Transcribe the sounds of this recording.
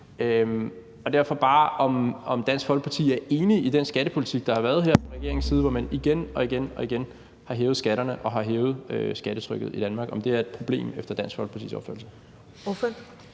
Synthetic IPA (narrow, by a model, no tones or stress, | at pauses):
øm | ɒ̽d̥æɐ̰fɒ̽b̥ɑ̈ːʔɒ̽mɒ̽md̥æn̰sɡ̥fɒ̽lɡ̥pʰɑ̈t͡sʰḭːæɐʔe̝ːniid̥ensɡ̥æɾəpʰo̝lit͡sʰiɡ̥̚d̥ɑ̈hɑ̈ʋæːɐð̞̩ˠɦḛɐ̰fɒʁɛɡ̥e̝ɐ̰eŋsiːð̞ˠʋɒmæniɡ̥enɒ̽iɡ̥enɒ̽iɡ̥en | hɑ̈ɦeːʊð̩ˠsɡ̥æɾɐnəʔɒ̽ɦɑ̈ɦeːʊð̩ˠøsɡ̥æɾ̥ət͡sʰʁœɡ̥ð̩ˠid̥ænmɑ̈ːɡ̥ɒ̽md̥e̝æɐe̝d̥̚pʰʁo̝b̥le̝̰ːmefd̥ɐd̥ænsɡ̥fɒlɡ̥pɑt͡sʰḭːsɒ̽b̥fø̰ɐl̩sə | f